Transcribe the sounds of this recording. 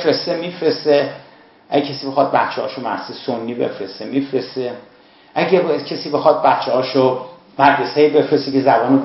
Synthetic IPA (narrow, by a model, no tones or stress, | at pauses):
efɾest̪emiːfɾest̪e | ʔæɟecʰesiːbe̞xɒːd̪̚bæt̪t͡ʃʰːehɒ̰ːʃomæ̰ɾsisonːiːbe̞̰fɾest̪emifɾest̪e | ʔæɟæbjd̪̥cʰesiːbe̞xɒːd̪̚bæt̪t͡ʃʰːeɦɒːʃo | mæɾd̪eseibe̞fɾest̪ekʰezæbɒːno